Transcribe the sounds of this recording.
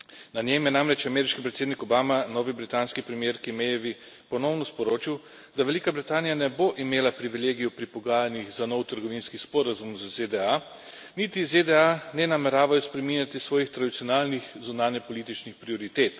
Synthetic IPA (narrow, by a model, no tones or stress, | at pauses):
nanʲemjɛnamɾɛt͡ʃamɛːɾiʃkipɾɛt̪seːd̪nikɔbaːmanɔːʋibɾit̪aːnskipɾɛmjeːɾkimejɛʋi | pɔnɔwnɔspɔɾoːt͡ʃiw | d̪aʋɛlikabɾit̪aːnijanɛboʔimeːlapɾiʋileːɡijɔpɾipɔɡaːjaniɣzanɔwt̪əɾɡɔʋiːnskispɔːɾazumzzed̪ɛa | niːt̪ized̪ɛanɛnamɛɾaːʋajɔspɾɛminjat̪isʋɔːjixt̪ɾad̪it̪sijɔnaːlnixzunaːnjɛpɔliːt̪it͡ʃnixpɾiɔɾit̪eːt̪